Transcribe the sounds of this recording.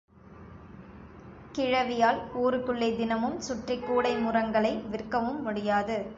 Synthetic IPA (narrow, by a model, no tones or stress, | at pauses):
kɪɻɐʋɪjaːluːɾɯkɯɭːɐɪd̪ɪnɐmɯmsʊʈrɪkːuːɽɐɪmʊrɐŋɡɐɭɐɪʋɪrkːɐʋɯmːʊɽɪjaːðɯ